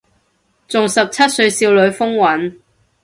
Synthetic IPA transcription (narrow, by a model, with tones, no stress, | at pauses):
t͡sʊ˨ŋsɐ˨p̚t͡sʰɐ˥t̚sɵ˧ɥsiː˧wlɵ˨˧ɥfʊ˥ŋwɐ˨˥n